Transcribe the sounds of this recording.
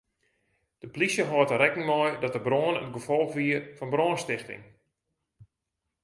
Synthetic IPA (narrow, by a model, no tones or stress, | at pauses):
d̥əplisjəɦɔːtəɾɛkɪŋmɔjdɔtəbroːənətɡəfɔlˠxʋiərfɔnbroːənstɪxtɪ̰ŋ